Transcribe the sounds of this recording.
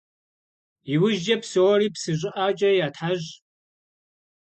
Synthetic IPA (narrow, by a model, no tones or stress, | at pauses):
iwʊʒɐpsɨwɔɾiːpsɨʑʷʼɪʔat͡ʃʼɐjaːtʰħaʑ